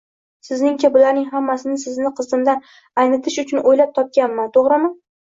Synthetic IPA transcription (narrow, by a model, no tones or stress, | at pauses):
sɪznɪŋt͡ʃʰabʊlaɾnɪŋɦamːasɪnɪsɪznɪqʰɨzd̪ɪmd̪an | ajnɪt̪ʰɪʃʊt͡ʃʰʊnojlap̚t̪ʰɒp̚kʲanmant̪ʰoʁɾɪmɪ